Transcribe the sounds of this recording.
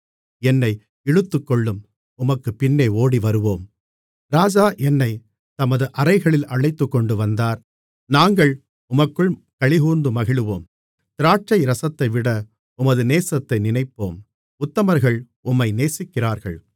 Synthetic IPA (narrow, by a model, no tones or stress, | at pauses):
ɛnːɐɪ | ɛɻɯt̪ːɯkːɔɭːɯm | ʊmɐkːɯpɪnːeːoːɽiʋɐɾɯʋoːm | ɾaːd͡ʒaːʔɛnːɐɪ | t̪ɐmɐðɯʔɐɾɐɪɣɐɭɪlɐɭɐɪt̪ːɯkːɔɳɖɯʋɐnd̪aːɾ | naːŋɡɐɭ | ʊmɐkːɯɭ | kɐɭɪɣuːɾnd̪ɯmɐɣɪɭɯʋoːm | t̪ɪɾaːʈ̚t͡ʃɐɪɾɐsɐt̪ːɐɪʋɪɽɐ | ʊmɐðɯneːsɐt̪ːɐɪnɪnɐɪpːoːm | ʊt̪ːɐmɐɾɣɐɭ | ʊmːɐɪneːsɪkːɪraːɾɣɐ̰ɭ